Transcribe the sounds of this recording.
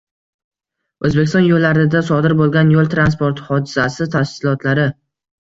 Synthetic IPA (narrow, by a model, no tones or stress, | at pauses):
ɵzbekʲɪsɒnjolːaɾɪd̪asɒd̪ɪɾbolˠɡʲanjolˠt̪ʰɾans̬po̞ɾt̪hɒd̪ɪzasɪt̪ʰafsɪlˠɒt̪ʰlaɾɪ